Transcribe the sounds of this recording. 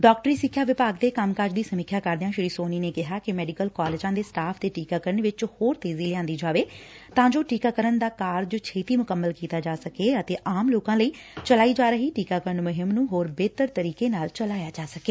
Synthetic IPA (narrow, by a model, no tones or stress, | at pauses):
ɖɔːk̚ʈəɾiːsɪkʰːjaːʋɪpaːɡd̪eːkəmkaːɾd͡ʒd̪iːsəmɪkʰjaːkəɾd̪eãːʃɪɾiːsoːniːneːkɪɦaːkɪmɛːɖɪkəlkaːleːd͡ʒãːd̪eːsʈaːpʰd̪eːʈiːkaːkəɾəɳʋɪt͡ʃhoːɾt̪eːziːlɪãːnd̪iːd͡ʒaːʋeː | t̪ãːd͡ʒoːʈiːkaːkəɾənd̪aːkaːɾd͡ʒt͡ʃʰeːt̪iːmʊkəmːəlkiːt̪aːd͡ʒaːsəkeːət̪eːʔaːmloːkãːləiː | t͡ʃəlaːiːd͡ʒaːɾəɦiːʈiːkaːkəɾənmʊɦɪmnũːɦoːɾbeːt̪əɾt̪əɾiːkeːnaːlt͡ʃəlaːjaːd͡ʒaːsəkeː